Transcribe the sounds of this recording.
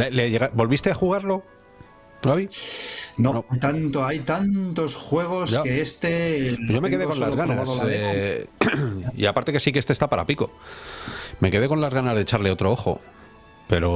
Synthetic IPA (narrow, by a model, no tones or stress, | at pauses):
leleʝeɣabo̞lβist̪eaxuɣ̞aɾlo̞ | aβi | noojt̪ant̪oajt̪ant̪o̞sxwe̞ɣ̞o̞sakeest̪eʝomekeðekolazɣanaze | ḭapaɾt̪eke̞sikeest̪est̪apaɾa̰piko̞ | me̞ke̞ð̞e̞ko̞nlazɣanazðet͡ʃaɾle̞o̞t̪ɾooxo̞̰ | pe̞ɾo̞